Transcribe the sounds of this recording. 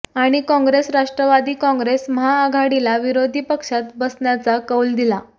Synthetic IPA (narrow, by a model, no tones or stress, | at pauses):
aɽ̃ikɔ̃ŋɡɾesɾaʂʈɾəʋad̪iːkɔ̃ŋɡɾesməɦaːɡʱaɽilaʋiɾod̪ʱiːpəkʂat̪bəsɳjat͡sakəwld̪ila